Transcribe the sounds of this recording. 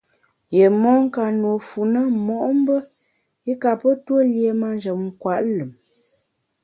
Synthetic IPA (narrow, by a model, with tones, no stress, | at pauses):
je˨mɔ˦ŋ˦ka˨nwo˨fu˨nə˦mɔ˨ʔm˦bə˦ | i˦ka˨pə˦twə˦lje˨ma˦nd͡ʒə˨m̚ŋ̩˦kwa˨ʔlə˨m